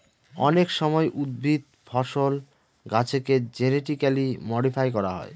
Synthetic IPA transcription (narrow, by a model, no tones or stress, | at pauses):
ɔ̰nekʃɔmɔeʔud̪̚bʱit̪ | fʰɔʃol | ɡat͡ɕʰeked͡ʑeneʈikalimɔɖifʰajkɔɾaɦɔ̰e